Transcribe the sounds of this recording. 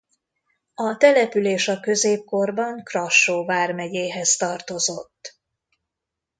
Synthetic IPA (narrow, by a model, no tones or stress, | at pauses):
ɒt̪ɛlɛpyleːʃɒkø̞zeːp̚ko̞rbɒŋkrɒʃːoːvaːrmɛɟeːɦɛzt̪ɒrt̪o̞zo̞t̪ː